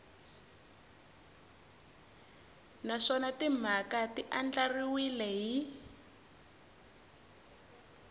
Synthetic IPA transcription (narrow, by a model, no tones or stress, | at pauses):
naʂɔnatim̤akatiʔand͡ɮariwilɛɦi